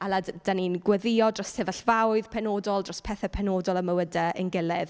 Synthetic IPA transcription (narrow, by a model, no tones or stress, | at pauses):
alˠadd̥aninɡwɛðɪjɔdrɔstʰɛvəɬvawɨðpʰɛnoːdɔlˠdrɔspʰɛθəpʰɛnoːdɔlˠəməwədəʔə̰nɡɪlˠɪð